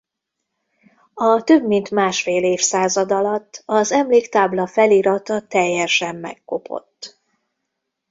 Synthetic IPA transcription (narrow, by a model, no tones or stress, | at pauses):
ɒt̪øbmint̪maːʃfeːleːfsaːzɒd̪ɒlɒt̪ːɒzɛmleːkt̪aːblɒfɛliːɾɒt̪ɒt̪ɛjːɛʃɛmːɛ̰kːo̞̰pʰo̞̰t̪ː